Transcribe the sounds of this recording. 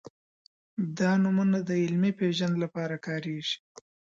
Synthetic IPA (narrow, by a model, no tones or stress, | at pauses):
d̪ɑnumunad̪əɪlmipeʒand̪lapɑɾakɑːɾeʒ̥i̥